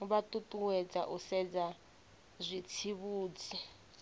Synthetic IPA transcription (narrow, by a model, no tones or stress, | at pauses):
uβatʼutʼuwɛd͡za̰ʔusɛd͡za | zʷit͡sʰiβuːd͡zi